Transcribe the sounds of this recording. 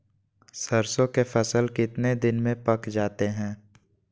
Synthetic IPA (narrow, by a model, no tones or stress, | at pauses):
sɐɾsõkefʰɐsəlkɪt̪ned̪ɪnmẽpɐkd͡ʒaːt̪eɦɛ̃ː